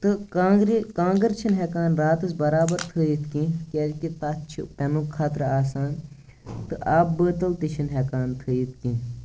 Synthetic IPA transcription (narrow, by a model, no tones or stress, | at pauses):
t̪ɨkaːɡɾkãːŋɡəɾt͡ʃʰinɦɛkaːnɾaːt̪ɨsbɐɾaːbɐɾt̪ʰɨːjit̪ʰkĩkʲeːd͡ʒkit̪at̪t͡ʃʰipɛnũːkʰaːt̪ɾəaːsaːn | t̪ɨʔaːpbəːt̪ɐlt̪iʃʰinɦɛkaːnt̪ʰɨːjit̪̚ʰkĩ